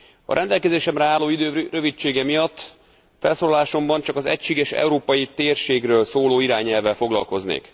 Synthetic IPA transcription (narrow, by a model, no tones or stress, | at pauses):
ɒ̰ɾʔɛnd̪ɛlkɛzeːʃɛmrɛaːlːoːid̪øːrøvit͡ʃeːɡɛmijɒt̪ː | fɛlsoːlɒlaːʃo̞mbɒnt͡ʃɒkɒzɛ̰cʃeːɡɛʃɛ̰uɾoːpɒjit̪eːrʃeːɡrøːlsoːloːiɾaːɲɛlvɛlfo̞ɡlɒ̰lko̞znḛːk